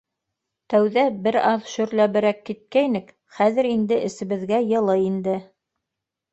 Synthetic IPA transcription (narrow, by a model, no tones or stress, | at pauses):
t̪æwðæbɘɾɑðʃɵ̆ɾlæβɘ̆ɾækːit̪̚kæjnɘk | χæðɘ̆ɾind̪ɘʔɘ̆sɘ̆βɘ̆ðɡæjɤ̆lˠɤind̪ɘ